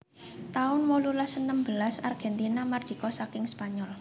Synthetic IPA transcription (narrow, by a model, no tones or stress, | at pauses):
t̪aʊnwɔlulasənəmbəlasarɡ̥ɛ̤nt̪inamarɡ̥i̤kɔsakɪŋspaɲɔl